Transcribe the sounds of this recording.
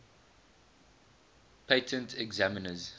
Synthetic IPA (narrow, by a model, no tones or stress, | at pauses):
pʰeɪtʰə̃ntʰɛɡzamənəz